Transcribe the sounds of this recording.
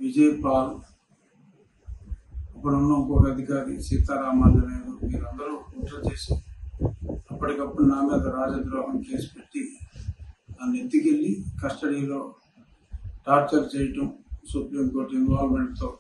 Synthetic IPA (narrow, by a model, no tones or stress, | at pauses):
ʋid͡ʒɐjpaːlu | ɐpːɐɽunːɐŋkoːkɐɐd̪ʱikaːɾḭsiːt̪aːɾaːmaːnlɐneːnumiːɾɐnd̪ɐɾuuːʈːɐt͡ʃe̞ːsi | ɐpːɐʈikɐpːuɽunaːmiːd̪ɐɾaːd͡ʒɐd̪ɾaːɦɐmke̞ːsu̥pe̞ʈːi | aːnet̪ːikelːikɐsʈɐɽiːlo̞ː | ʈaːɾt͡ʃɐɾt͡ʃɛːjɐʈɐmsupɾimkoːɾʈinʋaːlmeɳʈt̪oː